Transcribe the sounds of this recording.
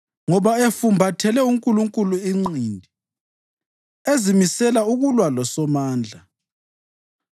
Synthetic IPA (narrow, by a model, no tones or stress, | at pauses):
ŋɔβaefumbʱatʰɛlɛuŋkʼuluŋkʼuluiŋ͡ǀindʱi | ezimisɛlauɣulwalɔsɔmaːnd͡ɮʱa